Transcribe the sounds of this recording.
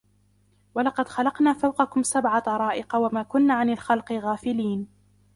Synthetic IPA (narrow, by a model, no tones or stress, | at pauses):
walɑqɑd̪xɑlɑqnaːfawqɑkʊmsabʕat̪ɑɾˤɑːʔɪqɑwamaːkʊnːaːʕanalxɑlqɨɣaːfɪliːn